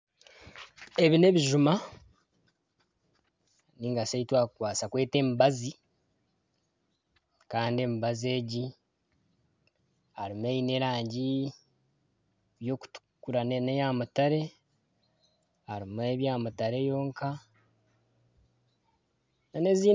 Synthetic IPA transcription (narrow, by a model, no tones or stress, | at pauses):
e̞βine̞βiʒuma | niːŋɡaseitwaːkukwaːsakwe̞ːte̞ːmbazi | kaːndie̞ːmiβaze̞ːɟi | aɾimue̞jine̞ːɾaːɲɟi | βjo̞ːku̥tu̥kuɾannejamutaɾe̞ | haɾimue̞βjaːmutaɾe̞jo̞ːŋka | nane̞ziː